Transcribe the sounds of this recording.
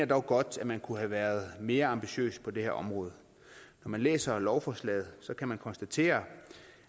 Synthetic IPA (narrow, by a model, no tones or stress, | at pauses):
ɐd̥ɒʊɡ̥ɒ̽d̥æmænkʰuɦæʋæːɐð̞̩ˠme̝ːɐɑ̈mb̥iɕø̰ːspʰɒ̽d̥e̝heɐʔɒ̽mʁɔ̽ːð̞̩ˠ | nɒmænlḛːsɐlɒʊfɒːslɛ̰ːð̩ˠsɒ̽kʰæmænkʰɒ̽nsd̥æt͡sʰe̝̰ːɐ